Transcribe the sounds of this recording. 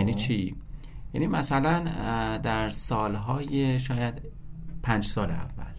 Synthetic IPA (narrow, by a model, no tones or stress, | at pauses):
nit͡ʃʰi | jæ̰ːnimæsælænd̪æɾsɒːlɦɒːjeʃɒːjæd̪ | pʰænd͡ʒsɒːlḛæ̰vːæ̰l